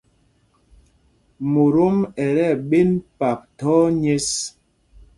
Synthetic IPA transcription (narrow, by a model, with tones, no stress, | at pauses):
mo˨ɾo˦mɛ˨ɾɛ˦˨ɓe˦npa˨p̚tɔ˦ɲe˦s